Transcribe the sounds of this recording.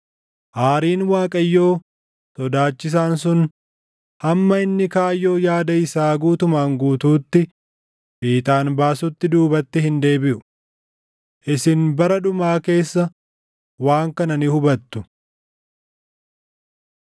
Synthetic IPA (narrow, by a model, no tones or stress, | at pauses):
ʔaːɾiːnwaːkʼɐjːo̞ː | t̪ɔd̪aːt͡ʃːɪs̬aːns̬ʊn | hɐmːɐɪnːɪkaːjːo̞ːjaːd̪ɐɪsaːɡuːt̪ʊmaːŋɡuːt̪uːt̪ːɪ | biːt̪ʼaːnbaːsʊt̪ːɪd̪uːbɐt̪ːɪhɪnd̪e̞ːbɪʔʊ | ʔɪsɪnbɐɾɐᶑʊmaːke̞ːsːɐ | waːŋkɐnɐnɪhʊbɐt̪ːʊ